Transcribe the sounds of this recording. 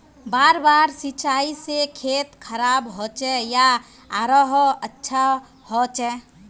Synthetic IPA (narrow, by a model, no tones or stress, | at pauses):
baɾbaɾsit͡ʃaisekʰet̪kʰəɾabɦot͡ʃɛjaː | ɾəɦətːʃʰa | ɦot͡ʃɛ